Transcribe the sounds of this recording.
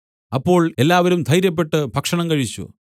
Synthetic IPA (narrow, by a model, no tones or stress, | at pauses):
ɐpːo̞ːɭelːaːʋɐɾumd̪ʱɐjɾjɐp̬ːe̞ʈːɨbʱɐkʂɐɳɐmkɐɻit͡ɕːṵ